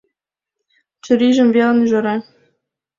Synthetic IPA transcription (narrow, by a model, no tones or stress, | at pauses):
t͡ɕɘ̆ɾʲiʒɘ̆mvʲelʲə̆nyʒɤ̆ɾɑ